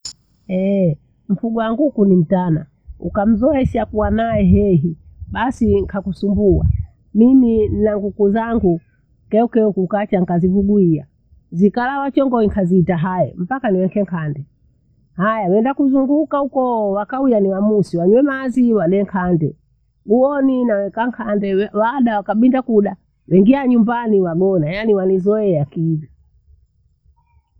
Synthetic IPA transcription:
ɛ | m̩fuɡɔwaŋɡukunim̩tana | ukam̩zɔɛʃakuwanaɛɦɛɦiɓasiŋkʰakusumbua̰ | mimin̩naŋɡukuzaŋɡu | kɛukɛukukat͡ʃaŋkazivuɡuia̰ | zikalawat͡ʃɔŋɡɔikʰaziːtaɦaɛ̰m̩pakaniwɛkɛŋkʰandɛ | hajawɛndakuzuŋɡukahukɔwakaujaniwamusiwaɲwɛmaziwanɛŋkʰandɛ | ɡuɔninawɛkaŋkʰandɛwaɗawakaɓindakuɗa | wɛŋɡiaɲumbaniwaɡɔnajaniwanizɔɛakivi

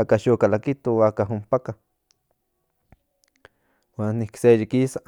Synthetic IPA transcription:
akaʃokalakit̪oakaɦumpaka | waniksejikisa

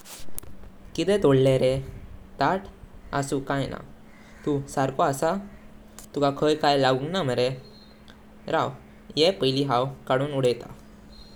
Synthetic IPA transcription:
kit̪ɛt̪oɽleɾet̪aʈʰa̰sukãjna̰ | t̪usaɾkoasa | t̪ukakʰəjkajlaɡuŋɡnaməɾe | ɾaw | jepəjliɦawkaɽuːnuɽəjt̪a̰

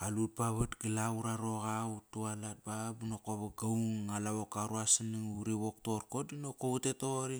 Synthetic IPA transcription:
alut̚paβatɡilauɾaɾo̞ɣautualat̚babunokoβaɡauŋalaβokaɾuasiniŋuɾiβokto̞ɾko̞dinokoutetoɾi

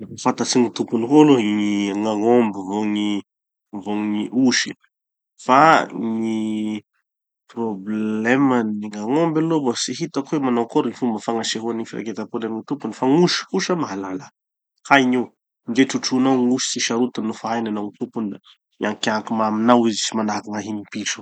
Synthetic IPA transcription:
fat̪at͡siŋit̪upuniɦoloŋiŋaŋombivoŋi | voŋiʔuʃi | faŋi | problleməniŋaŋombalobasiɦit̪akwemanowkoɾiŋifumbəfaŋaseɦuanifiɾa̰ket̪apulaniŋit̪upunifaŋuʃkuʃəmaɦalala | hajɲi | nd͡ʒeʈ͡ʂuʈ͡ʂunawŋuʃi̥siʃaɾut̪anːufaajnanaŋit̪upuna | niaŋkakimaminawizit͡ʃimanakaŋaɦinipiʈ͡ʂə̥

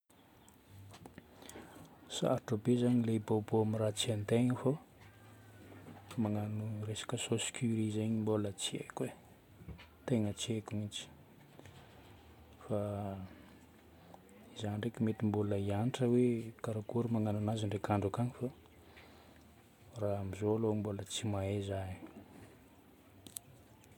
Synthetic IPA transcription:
sa̰ɾʈ͡ʂobezaɲileboboamirat͡siant̪eɲifo | maŋanuresḁkəsoskʲʰyɾizeɲimbolət͡siḛkwe | t̪eŋət͡siekumit͡ʃi̥ | fa | izanɳɖ͡ʐekimet̪imbuləianiʈ͡ʂəwekaɾakuɾumaŋanunaziɳɖ͡ʐekaɳɖ͡ʐukaɲifa | raamizoalombolət͡simaezaɲ

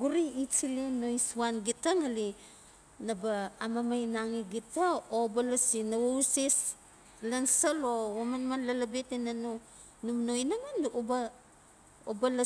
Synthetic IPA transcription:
ɡuɾiit͡ʃilenojsuanɡitaŋali | nabaːmamajnaŋiɡitaobalasinawauses | lansalowamanmanlalabetenano | numnojnaŋanoba | obala

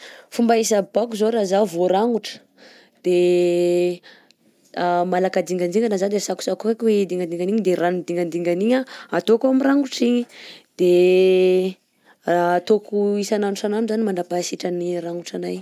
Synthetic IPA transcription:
fumbaisəbakuzoɾazavoɾaŋuʈ͡ʂə̥ | d̪̥e | malakad̪iŋɡand̪iŋɡanazad̪esaku̥sakukakwed̪iŋɡand̪iŋɡaniɲid̪eɾanud̪iŋɡand̪iŋɡaniɲaat̪okoamiraŋɡuʈ͡ʂiɲid̪̥e | rat̪okuisananusananuzanimaɳɖ͡ʐapasiʈ͡ʂəniraŋɡuʈ͡ʂanaj

